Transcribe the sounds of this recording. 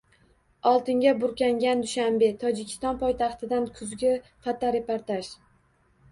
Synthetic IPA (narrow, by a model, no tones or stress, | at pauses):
ɒlˠt̪ɪŋɡʲabʊɾkʲaŋɡʲand̪ʊʃambe̞t̪ʰɒd͡ʒɪkʲʰɪ̥st̪ɒnpʰɒjt̪ʰɑχt̪ʰɪd̪ankʰʊzɡʲɪfat̪aɾepaɾt̪aʃ